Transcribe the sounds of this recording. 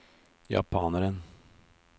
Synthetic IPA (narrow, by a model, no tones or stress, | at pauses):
jɑ̰pʰɑːnəɾən